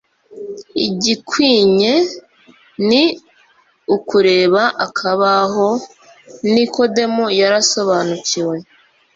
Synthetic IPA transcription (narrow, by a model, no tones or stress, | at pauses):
iɟikwiːɲe̞ | ni | ukuɾe̞ːβaʔakʰaβaɦo̞ | niko̞de̞mujaɾaso̞βaːnuciwe̞